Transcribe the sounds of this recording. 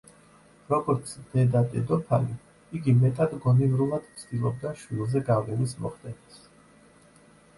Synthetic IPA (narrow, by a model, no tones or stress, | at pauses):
ɾɔɡɔɾt̪sʰd̪ɛd̪at̪ʼɛd̪ɔpʰa̰li | iɡimɛt̪ʼad̪ɡɔnivɾulˠad̪̥t̪sʰd̪ilˠɔb̚d̪aʃwilˠzɛɡavlɛnismɔ̰χd̪ɛnis